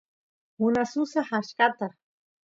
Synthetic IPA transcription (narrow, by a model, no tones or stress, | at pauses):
hʊnasʊsahaʃkat̪a